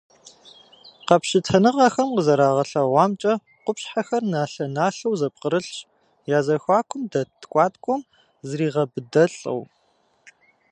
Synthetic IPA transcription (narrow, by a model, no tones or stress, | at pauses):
qɐpɕɨtʰɐnɨʁɐxɐmqəzɐɾaːʁɐɬɐʁʷɑːmt͡ʃʼɐ | qʷʊpɕħaxɐrnaːɬɐnaːɬɐwzɐp̚qəɾɨɬt͡ʃ | jaːzɐxʷɑːkʷʰʊmdɐtʰkʷʼɑːtʼkʷʼɔm | zriːʁɐbɨdɐɬʼɐ̰w